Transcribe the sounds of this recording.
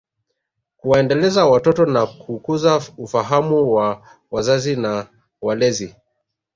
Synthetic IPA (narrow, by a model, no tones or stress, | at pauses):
kuwaɛndɛlɛzawatɔtɔnakukuzaufaɦamuwa | wazazina | walɛzi